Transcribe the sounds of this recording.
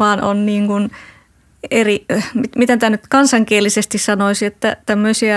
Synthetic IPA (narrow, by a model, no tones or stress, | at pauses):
ɑːno̰nniːŋkun | erimitmit̪ent̪ænyt̪kɑnsɑŋkielːisest̪issɑnoisiet̪ːæ̰t̪æmːøisiæ